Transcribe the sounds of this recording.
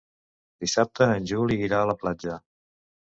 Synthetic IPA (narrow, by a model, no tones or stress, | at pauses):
d̪isap̚t̪əːnʲʒuliːɾaələplad͡ʒə